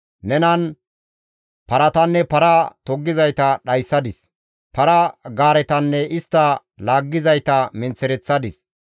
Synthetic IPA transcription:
nɛnɐn | pɐɾɐt̪ɐnːɛpɐɾɐt̪ɔɡːɪzɐjt̪ɐɗɐjsːɐd̪ɪs | pɐɾɐɡaːɾɛt̪ɐnːɛʔɪst̪ːɐ | laːɡːɪzɐjt̪ɐmɪnt͡sːɛɾɛt͡sːɐd̪ɪs

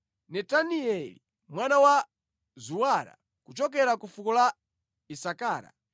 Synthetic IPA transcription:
nɛtaniɛli | mwanawa | zuwaɾa̰ | kut͡ʃɔk̬ɛɾakufukɔla | isakaːɾa̰

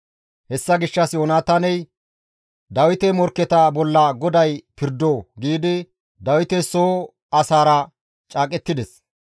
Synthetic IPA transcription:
hɛsːɐɡɪʃːɐsjoːnaːt̪ɐnɛj | d̪ɐwɪt̪ɛmɔɾkːɛt̪ɐbɔlːɐɡɔd̪ɐjpɪɾd̪oːɡiːd̪ɪ | d̪ɐwɪt̪ɛsoː | ɐsaːɾɐ | t͡ʃʼaːkʼɛt̪ːɪd̪ɛs

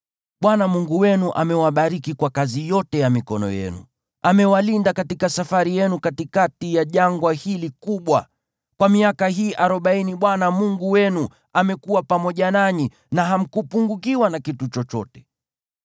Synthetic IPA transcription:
ɓwanamuŋɡuwɛnuʔa̰mɛwaɓaɾikikwakazijɔtɛjamikɔnɔ̰jɛ̰nṵ | ʔamɛwalindakatikasafaɾijɛnukatikatijaʄaŋɡwahilikuɓwa̰ | kwamiakaɦiːʔaɾɔɓainiɓwanamuŋɡuwɛnu | amɛkuwapamɔʄanaɲi | naɦam̩kupuŋɡukiwanakitut͡ʃɔt͡ʃɔ̰tɛ̥

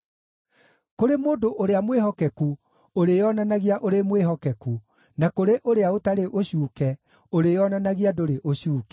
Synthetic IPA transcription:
koɾemoːndoʔoɾeamweɦɔkɛku | oɾejɔnanaɣiaʔoɾemweɦɔkɛku | nakoɾeʔoɾeaotaɾeʔoɕuːkɛ | oɾejɔnanaɣiadoɾeʔoɕuːkɛ̥

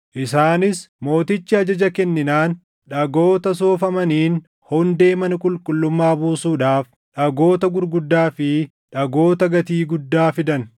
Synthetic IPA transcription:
ʔɪsaːnɪsmo̞ːt̪ɪt͡ʃːɪɐd͡ʒɐd͡ʒɐkɛnːɪnaːn | ᶑɐɡoːt̪ɐs̬oːfɐmɐniːn | hɔnd̪e̞ːmɐnkʼʊlkʼʊlːʊmːaːbuːsuːᶑaːf | ᶑɐɡo̞ːt̪ɐɡʊɾɡʊd̪ːaːfɪ | ᶑɐɡo̞ːt̪ɐɡɐt̪iːɡʊd̪ːaːfɪd̪ɐn

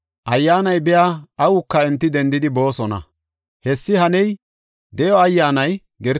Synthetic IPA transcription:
ʔɐjːaːnɐjbɛjaɐwʊkːɐɛnt̪ːɪd̪ɛnd̪ɪd̪ɪbo̞ːsɔnɐ̰ | hɛsːɪhɐnɛj | d̪ɛjɔɐjːaːnɐj | ɡɛɾ

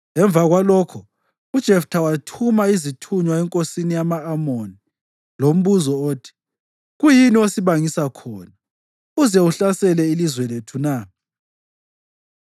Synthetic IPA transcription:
ŋɛɱbvʱaɣwalɔkʰɔ | ud̥ʒ̥ʱɛftʰawatʰumaizitʰuɲwaɛŋkʼosinijamaːmoni | lom̩βuzɔoːtʰi̥ | ɣujiniosiβaŋisakʰɔːna | uzɛuɬasɛlɛilizwɛletʰuna

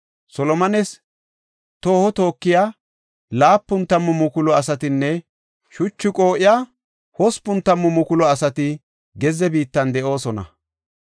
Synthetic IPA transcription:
sɔlɔmɐnɛs | t̪oːhɔt̪o̞ːkːɪjaː | laːpːʊnt̪ːɐmːʊmʊkʊlɔɐsɐt̪ɪnːɛ | ʃʊt͡ʃːʊkʼo̞ːʔɪja | hɔspːʊnt̪ːɐmːʊmʊkʊlɔɐsɐt̪ɪ | ɡɛzɛbiːt̪ːɐnd̪ɛʔo̞ːsɔnɐ̰

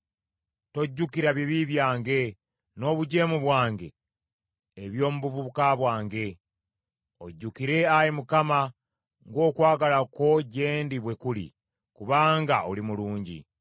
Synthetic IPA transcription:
to̞ɟːukiɾaβiβiβjaːŋɡe̞ | no̞ːβuɟe̞ːmuβwaːŋɡe̞̰ː | βjo̞ːmuβuvuβukaβwaːŋɡe̞ | o̞̰ɟːukiɾe̞ajimukama | ŋɡo̞ːkwaːɡalako̞ɟe̞ːndiβwe̞kulḭ | kuβaːŋɡaolimuluːɲɟḭ

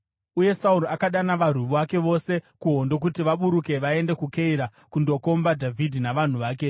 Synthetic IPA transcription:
uje̞sauɾoakaɗanaʋar̤uʋuʋake̞ʋo̞se̞kuɦo̞ndo̞k̬utiʋaɓuɾuke̞ʋae̞nde̞kuke̞iɾa | kundo̞ko̞mbadʱavʱidʱinaʋan̤uʋaːke̞

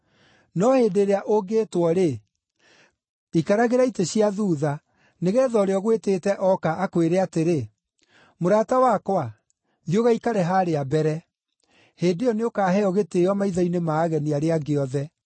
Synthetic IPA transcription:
nɔhedeɾeaʔoɡeːtwɔɾe | ikaɾaɣeɾaiteɕiaðuːða | neɣɛːðɔɾeɔɣweteːtɛʔɔkaʔːkweɾeateɾe | moɾaːtawakwa | ðioɣaikaɾeɦaːɾeabɛɾɛ | heːdeɔneokaːɦɛɔɣetejɔmaiðainemaːɣɛniaɾeaɡeɔðɛ

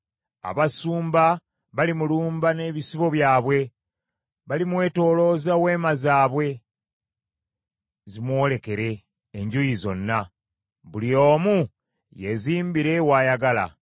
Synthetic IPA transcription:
a̰βasuːmba | βalimuluːmbane̞ːβisiβo̞βjaːβwe̞ | βalimwe̞ːto̞ːlo̞ːzawe̞ːmazaːβwe̞ | zimwo̞ːle̞ke̞ɾe̞ː | ɲɟujizo̞̰nːa | βulio̞ːmu | je̞ziːmbiɾe̞waːjaɡala̰

